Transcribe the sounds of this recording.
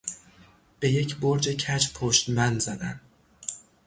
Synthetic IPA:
b̥e̞je̞cʰboɾd͡ʒecʰæt͡ʃpʰoʃt̪mænd̪zæd̪æn

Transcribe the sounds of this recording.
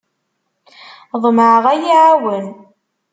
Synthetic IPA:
ðˤmʕəʁæjiʕawən

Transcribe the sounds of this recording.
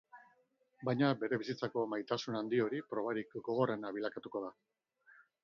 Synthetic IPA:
bajɲabe̞ɾe̞βisit͡sako̞majt̪asunand̪io̞ɾipɾo̞βaɾikɡo̞ɣ̞o̞re̞naβ̞ilakat̪uko̞ða

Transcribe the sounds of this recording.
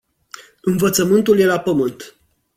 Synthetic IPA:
ɨnvət̪səmɨnt̪ulje̞lapəmɨnt̪

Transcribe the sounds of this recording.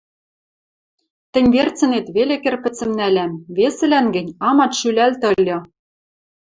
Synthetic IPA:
t̪ɘ̆nʲβert͡sɘ̆net̪βelĕkĕrpɘ̆t͡sɘ̆mnælæmβesɘ̆lænɡɘ̆nʲɑmɑt̪ʃylælt̪ɤ̆lʲːɤ̆

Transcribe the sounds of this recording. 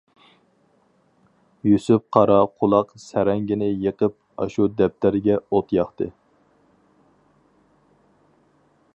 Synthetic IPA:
jusyp̚qʰɑɾɑqʰʊlˠɑqsæɾɛŋɡʲinɪjəqəp̚ | ɑ̰ʃud̪ɛp̚t̪ʰæɾɡʲɛot̪ʰjɑχt̪ɨ

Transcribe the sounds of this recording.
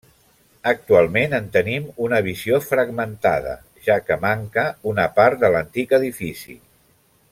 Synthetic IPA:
ək̚t̪ualˠmenənt̪ənimunəβ̞iziofɾəɡmənt̪a̰ðə̰ | ʒakəmaŋkəunəpaɾt̪̚d̪ələnt̪ikəðifisḭ

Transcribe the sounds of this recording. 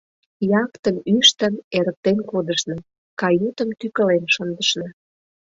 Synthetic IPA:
jɑkt̪ənyʃt̪əneɾək̚t̪enkod̪əʃnɤ̆ | kɑjut̪ə̆mt̪ykə̆lenʃənd̪əʃnɑ

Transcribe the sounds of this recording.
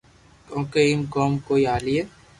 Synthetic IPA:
kõːkeimkoːmkoːiaːlie

